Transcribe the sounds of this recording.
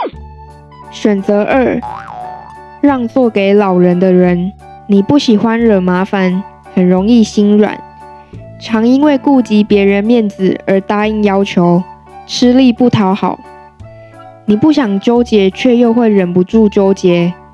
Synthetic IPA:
ɕɥə˨˩nt͡sə˨˦ʔə˞˥˩ | ɻɑ˥˧ŋt͡swɔ˥˨ke˧˥ɪlɑ˨˩ʊɻə˨˦nd̪ə˧ɻə˨˦n | ni˨˩pu˥˩ɕi˨˩xwa˦nɻə˨˩ma˧˦fa˨n | hə˨˩nɻo˨˦ŋi˥˨ɕi˥nɻwa̰˨˩˦n | ʈ͡ʂʰɑ˨˥ŋi˦nwe˥˨ɪku˥˨˩t͡ɕi˨˥pjɛ˨˥ɻə˧˦nmjɛ˥˨nd͡zɹ̩˨ə˨˧˥t̪a˥i˦˥ŋjɑ˥ʊt͡ɕʰjo˨˧˦ʊ | ʈ͡ʂʰɻ̩˥˦li˥˧˨pu˥˩t̪ʰɑ˧˥ʊxɑ˨˩˦ʊ | ni˨˩pu˥˩ɕjɑ˨˩ŋt͡ɕjo˦˥ʊt͡ɕjɛ˧˥t͡ɕʰɥɛ˥˧jo˥˧ʊxwe˥˩ɪɻə˨˩npu˨˦ʈ͡ʂu˥˨t͡ɕjo˥ʊt͡ɕjɛ˨˥˦

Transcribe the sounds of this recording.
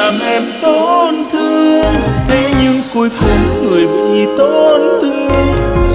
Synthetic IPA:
aː˨˩mʔɛ˧mt̪o˧˦nt̪ʰɨ˧əŋt̪ʰe˨˦ɲɨ˧ŋku˧jkʊ˧˩ŋ͡mŋɨ˨˩əjɓḭ˧˨t̪o˧nt̪ʰɨ˧ŋ

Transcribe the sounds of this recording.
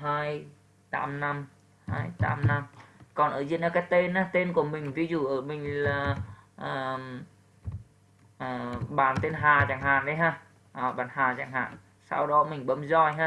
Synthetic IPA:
haː˧j | t̪a̰ː˨˦mna˧m | haː˧jt̪a̰ː˨˦mna˧mkɔ˨˩nʔəː˧˩zḭ˧˨ənaː˨˧˩kaː˨˦jt̪e˧nʔaː˨˦t̪e˧nku˧˩əmï˨˩ŋ̟vi˨˦zṵ˧˨ʔəː˧˩mï˨˩ŋ̟laː˨˩ʔəː˨˩ | ʔəː˨˩ɓaː˧˨˩nt̪e˧nɦaː˨˩t͡ɕa̰ː˧˨˩ŋɦaː˨˩nɗə˨˦jɦaː˧˩ | ʔə˨˩ɓaː˨˩nhaː˨˩za̰ː˧˩ŋɦhaː˨˩n | sa̰˧wɗɔ˨˦mï˨˩ŋ̟ɓə˨˦mzɔ˧˩jɦaː˧

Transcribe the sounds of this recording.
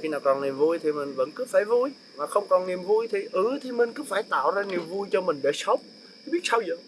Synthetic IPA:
xi˧naː˨˩wkɔ˨˩nni˨˩əmvu˧jt̪ʰi˨˩mï˨˩ŋ̟və̰˧˥nkɨ˨˦faː˧˩jvu˧j | maː˨˩xə˧wŋ͡mkɔ˨˩nni˨˩əmvu˧jt̪ʰi˨˩ʔɨ˨˦t̪ʰi˨˩mï˨˩ŋ̟kɨ˨˦faː˧˩jt̪a̰ː˧˨wzaː˧ni˨˩əmvu˧jt͡ɕɔ˧mï˨˩ŋ̟ɗe˧˩sə˦˥wp̚ | ɓi˦˥ət̚sa˧wzɨ̰˧˨ŋ

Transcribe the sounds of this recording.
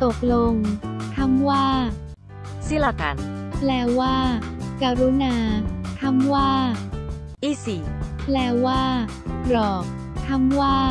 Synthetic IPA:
t̪o˨˩k̚lo˧ŋt̪ʰa˦˥˩mwaː˥˩ | si˥˩la˧ka̰˧˩nlɛː˦˥wwaː˥˩kaː˧ɾu˦˥naː˧k̪ʰa˦˥˩mwaː˥˩ | ʔiː˥˩siː˨˩plɛː˦˥wwaː˥˩ | ɾɔː˨˩k̚ | t̪ʰa˥˩˨mwaː˥˩

